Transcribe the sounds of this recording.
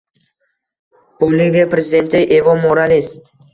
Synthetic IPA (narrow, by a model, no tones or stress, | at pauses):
polivʲepɾezʲɪd̪ent̪ɪʔevomoɾalis